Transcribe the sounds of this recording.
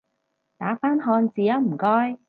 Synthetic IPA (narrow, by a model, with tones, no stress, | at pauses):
t̪aː˨˥faː˥nɦɔː˧nt͡siː˨jɐ˦˥wm̩˨˩kɔː˥j